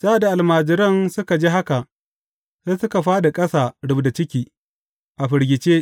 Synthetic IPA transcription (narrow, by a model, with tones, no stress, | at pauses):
z̥a˦ʔa˨da˨ʔa˨lmaː˨d͡ʒɪ˨ɾɐ˦nsʊ˦ka˨d͡ʒiː˦ɦa˦ka˨ | se˦sʊ˦ka˨ɸaː˦da˨kʼɐ˦saː˨ɽʊ˨bda˨t͡ʃɪ˦kʲiː˨ | ʔa˨ɸɪ˨ɾɡʲɪ˨t͡ʃeː˦